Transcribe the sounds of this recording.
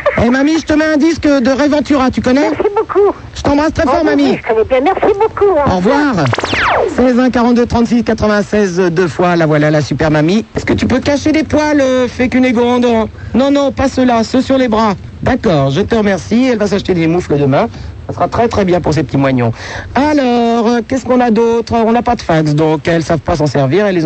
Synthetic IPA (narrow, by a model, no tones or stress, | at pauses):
ɛmamiʒət̪əmɛɛ̃d̪iskd̪əʁevɑ̃t̪yʁat̪ykɔnɛɛsiboku | ʒət̪ɑ̃bʁast̪χɛfɔʁmamiʒəkɔnɛbjɛ̃mɛʁsibokuɔ̰ʁvwaʁ | sɛzɛ̃kaʁɑ̃t̪d̪øt̪χɑ̃t̪siskat̪χəvɛ̃sɛzd̪øfwalavwalalasypɛʁmamiɛskət̪ypøkaʃed̪epwaløfɛkyneɡɔ̃d̪ɔ̃nɔ̃nɔ̃pasəlasəsyʁlebʁa | d̪akɔːʁʒət̪əʁəmɛʁsiɛlvas̬aʃt̪ed̪emufləd̪əmɛ̃sasəʁat̪χɛt̪χɛbjɛ̃puʁs̬epət̪imwaɲɔ̰̃alɔʁəkʲɛskɔ̃nad̪ot̪χəɔ̃napad̪əfaksd̪ɔ̃kɛlsavpas̬ɑ̃sɛʁviʁɛlːe